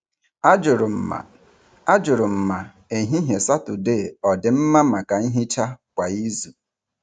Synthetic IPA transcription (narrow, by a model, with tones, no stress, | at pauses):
d͡ʒʊ˨ɾʊ˨m̩˨ | a˦d͡ʒʊ˨ɾʊ˨m̩˨ma˨ | e˨ɦi˦ɦje˨sa˦tʊ˨de˦˨ɔ˨dɪ˨m̩˦ma˦ma˨ka˨n̩˦ɦi˦t͡ʃa˦kʷa˨i˦zu˨